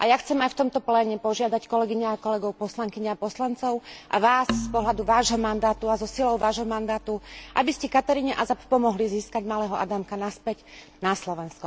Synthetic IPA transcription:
ʔa̰jaxt͡sɛmajft̪ɔmt̪ɔplɛːɲɛpɔʒɪad̪ackɔlɛɡiɲaːkɔlɛɡɔʊpɔslaŋkiɲaapɔslant͡sɔʊʔa̰ʋaːsːpɔɦlad̪uʋaːʒɦɔmand̪aːt̪uazɔsilɔʊʋaːʒɦɔmand̪aːt̪uʔa̰biscɛkat̪aɾiɲɛʔazappɔmɔɦliziːskaɟmalɛːɦɔʔa̰d̪amkanaspɛc | naslɔʋɛnskɔ

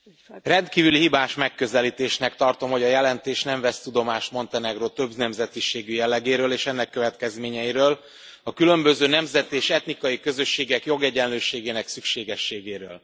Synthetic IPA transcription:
rɛnt̪kiːvylihibaːʃmɛkːø̞zɛlit̪eːʃnɛkt̪ɒrt̪o̞mho̞ɟɒjɛlɛnt̪eːʃnɛɱvɛst̪ud̪o̞maːʃt̪mo̞nt̪ɛnɛɡrot̪ø̞bznɛmzɛt̪iʃeːɡyjɛlːɛɡeːɾøːleːʃɛnːɛkːø̞vɛt̪kɛzmeːɲɛjiɾøːl | ɒkylø̞mbø̞zøːnɛmzɛt̪eːʃɛt̪nikɒjikø̞zø̞ʃːeːɡɛkjo̞ɡɛɟɛnløːʃeːɡeːnɛksykʃeːɡɛʃːeːɡeːɾø̰ːl

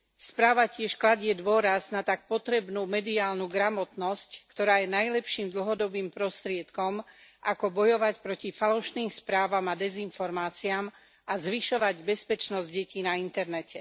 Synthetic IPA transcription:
spɾaːʋacɪɛʃklaɟɪɛd̪ʋʊɔɾaznat̪ak̚pɔt̪ɾɛbnuːmɛd̪iaːlnuːɡɾamɔt̪nɔsckt̪ɔɾaːjɛnajlɛpʃiːmd̪l̩ɦɔd̪ɔbiːmpɾɔst̪ɾɪɛt̪kɔmʔakɔbɔjɔʋacpɾɔcifalɔʃniːmspɾaːʋamad̪ɛzinfɔɾmaːt͡siam | azʋiʃɔʋaɟbɛspɛt͡ʃnɔzɟɟɛciːnaint̪ɛɾnɛcɛ

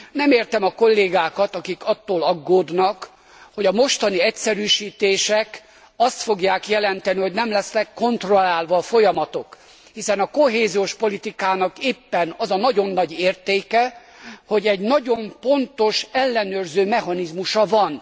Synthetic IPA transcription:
nɛmeːrt̪ɛmɒko̞lːeːɡaːkɒt̪ɒkikɒt̪ːoːlɒɡːoːd̪nɒk | ho̞ɟɒmo̞ʃt̪ɒniɛcsɛɾyːʃiːt̪eːʃɛk | ɒst̪fo̞ɡjaːkjɛlɛnt̪ɛniho̞ɟnɛmlɛsnɛkːo̞nt̪ro̞lːaːlʋɒːfo̞jɒmɒt̪o̞k | hisɛnɒko̞ɦeːzioʃpo̞lit̪ikaːnɒkeːpːɛnɒzɒnɒɟo̞nːɒɟeːrt̪eːkɛ | ho̞ɟɛɟnɒɟo̞mpo̞nt̪o̞ʃɛlːɛnøːrzøːmɛɦɒnizmuʃɒvɒn

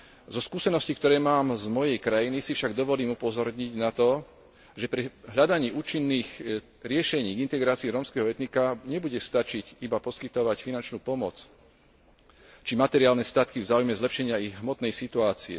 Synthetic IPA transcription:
zɔskuːsɛnɔscikt̪ɔɾɛːmaːmzmɔjɛjkɾajinisifʃaɡd̪ɔʋɔliːmupɔzɔɾɲiɟnat̪ɔ | ʒɛpɾiɦʎad̪aɲiːʔuːt͡ʃinːiːx | ɾɪɛʃɛɲiːɡint̪ɛɡɾaːt͡siiːɾɔmskɛːɦɔɛt̪nikaɲɛbuɟɛst̪at͡ʃicibapɔskit̪ɔʋacfinant͡ʃnuːpɔmɔt͡s | t͡ʃimat̪ɛɾɪaːlnɛst̪at̪kivzaːujmɛzlɛpʃɛɲɪaiɣɦmɔt̪nɛjsit̪uaːt͡siɛ̰

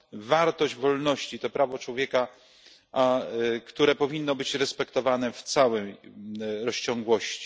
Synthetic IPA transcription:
vaɾt̪ɔʑd͡ʑvɔlnɔɕt͡ɕit̪ɔpɾavɔt͡ʂwɔvʲjɛka | akt̪uɾɛpɔvʲinːɔbɘt͡ɕɾɛspɛkt̪ɔvanɛft̪sawɛj | ɾɔɕt͡ɕɔŋɡwɔɕt͡ɕi̥

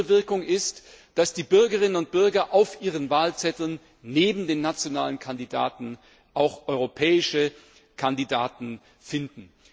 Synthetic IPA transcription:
əvɪɐkʊŋɪst | d̥asd̥iːbʏɐɡəʁ̞ɪnənʊnt̚b̥ʏɐɡɐʔaʊfʔiːʁ̞ənvaːlt͡sɛtl̩nː | eːbm̩deːnːat͡sjonaːlənkʰandida̰ːtn̩ | ʔaʊxʔɔʏʁopʰɛːɪʃə | kʰandidaːtn̩ | fɪndn̩

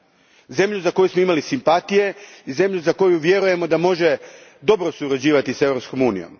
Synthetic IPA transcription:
ze̞mʎuzako̞jusmoimalisimpat̪ije̞ize̞mʎuzako̞juʋje̞ɾuje̞mo̞d̪amo̞ʒe̞d̪o̞bɾosuɾad͡ʑiːʋat̪ise̞ʋɾo̞psko̞muːnḭjo̰m

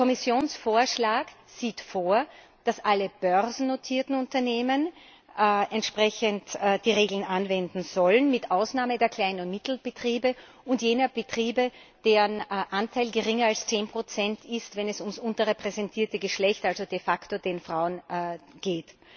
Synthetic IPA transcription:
kʰɔmɪsjoːnsfoːɐʃlaːk | z̥iːtfoːɐ | d̥asʔaləb̥œʁzn̩notʰiːɐtn̩ʊntɐneːmən | ʔɛntʃpʁ̥ɛçəntːd̥iːʁeːɡl̩nʔanvɛndn̩z̥ɔlənmɪtʔaʊsnaːmədeːɐkʰl̥aɪnnmɪtl̩b̥ətʁ̥iːbə | ʊntjeːnɐbətʁ̥iːbə | d̥eːʁənʔantʰaɪlɡəʁɪŋɐalst͡seːnpʁ̥ot͡sɛntʰɪstvɛnɛsʊmsʔʊntɐʁepʁ̥ɛzɛntʰiːɐtəɡəʃlɛçtalzod̥efaktodeːnfʁ̥aʊənɡ̥eːt

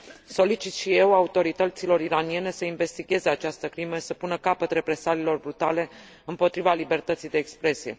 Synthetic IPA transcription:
so̞lit͡ʃit̪ʃije̞waut̪o̞ɾit̪ət̪silo̞ɾiɾanije̞ne̞səinve̞st̪iɡʲe̞ze̞at͡ʃast̪əkɾimesəpunəkapət̪re̞pɾe̞salilo̞rbɾut̪ale̞ | ɨmpo̞t̪ɾivalibe̞rt̪ət̪sijd̪e̞ːkspɾe̞sije̞̰

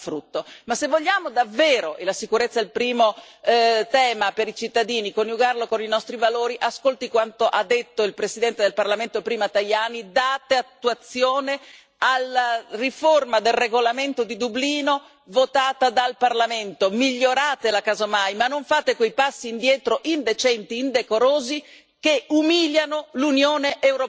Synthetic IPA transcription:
fɾut̪ːomasːevːoʎːaːmod̪avːeːɾoʔelasikuɾet̪sːailpɾiːmo | t̪ɛːmapeɾit͡ʃit̪ːad̪iːnikonjuɡarlokoninɔst̪ɾivaloːɾiʔaskolt̪ikwant̪oʔad̪ːet̪ːoilpɾesid̪ɛnt̪ed̪elparlament̪opɾiːmat̪ajaːnid̪aːt̪eat̪ːuat̪sːjoːne | alariformad̪elreɡolament̪od̪id̪ubliːno | vot̪aːt̪ad̪alparlament̪omiʎːoɾaːt̪elakazomajmanːoɱfaːt̪ekwejpasːiːnd̪jɛːt̪ɾoʔind̪et͡ʃɛnt̪iːnd̪ekoɾoːzi | keumiljanolunjoːneʔewɾo

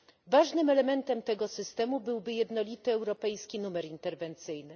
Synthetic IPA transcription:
vaʐnɘmɛlɛmɛnt̪ɛmt̪ɛɡɔsɘst̪ɛmubɘwbɘjɛd̪nɔlʲit̪ɘɛwɾɔpɛjskʲinumɛɾint̪ɛɾvɛnt̪sɘjnɘ

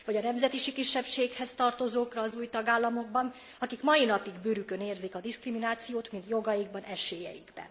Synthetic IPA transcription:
vɒɟɒnɛmzɛt̪iʃikiʃːɛpʃeːkhɛst̪ɒrt̪o̞zoːkrɒːzuːjt̪ɒɡaːlːɒmo̞ɡ̚bɒn | ɒkikmɒinɒpiɡbøɾykø̞neːrzikɒd̪iskriminaːt̪sijoːt̪mint̪jo̞ɡɒjiɡ̚bɒnɛʃeːjɛ̰jḭɡbɛ̰n

